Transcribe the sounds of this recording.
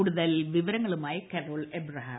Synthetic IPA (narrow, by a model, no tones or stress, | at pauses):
uɽuðɐlʋiʋɐɾɐŋːɐɭumaːjɐkeroːɭebrɐɦaː